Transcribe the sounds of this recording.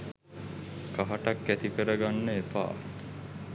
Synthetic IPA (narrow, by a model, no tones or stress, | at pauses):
kaɦaʈakːæt̪ikəɾəɡanːəepa̰ː